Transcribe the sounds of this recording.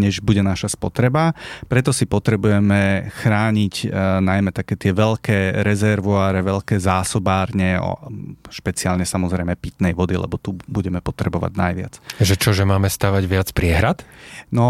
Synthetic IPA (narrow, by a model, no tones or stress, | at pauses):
ɲɛʒbuɟɛnaʃaspɔt̪ɾɛbapɾɛt̪ɔsipɔt̪ɾɛbujɛmɛxɾaːɲicnajmɛt̪akɛːt̪ɪɛʋɛʎkɛːɾɛzɛɾʋɔaɾɛʋɛʎkɛːzaːsɔbaːɾɲɛɔ̰ʃpɛt͡siaːlɲɛsamɔzɾɛjmɛpit̪nɛjʋɔd̪ilɛ̰bɔt̪ubuɟɛmɛpɔt̪ɾɛbɔʋa̰ɟnajʋɪa̰t͡sʒɛt͡ʃɔʒɛmaːmɛst̪aːʋaɟʋɪat͡spɾɪɛɦɾat̪nɔ